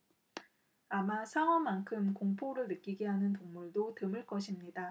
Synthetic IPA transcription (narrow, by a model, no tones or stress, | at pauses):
amasʰawʌmankʰɯmkoŋpʰoɾɯɭnɯk͈iɡeɦanɯnpoŋmuɭdotɯmɯɭk͈ʌɕʰimɲida